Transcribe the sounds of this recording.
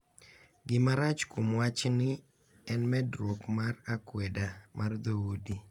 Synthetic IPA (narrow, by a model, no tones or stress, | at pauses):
ɡɪmaɾat͡ʃkomwat͡ʃnɪ | ɛnmɛdɾokmarakwɛdamʔard̪owodi